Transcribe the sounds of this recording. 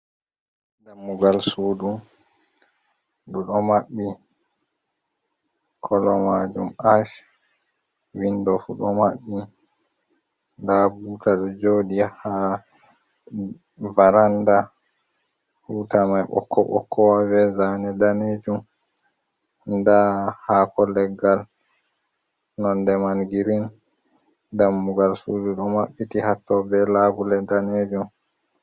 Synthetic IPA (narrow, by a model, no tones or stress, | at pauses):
damːuɡalsuːdum | ɗuɗɔmaɓːi | kʰɔlɔmad͡ʒumaʃ | windɔfuɗɔmaɓːi | ndabuːtaɗɔd͡ʒoːdiaha | vaɾanda | huːtamajɓɔ̰kʰːɔ̰ɓɔ̰kʰːɔwabɛzanɛdaned͡ʒum | ndahakɔlɛɡal | nɔndɛmanɡiɾin | damːuɡalsuduɗɔmaɓːitihatːɔbɛlaːbulɛdaned͡ʒum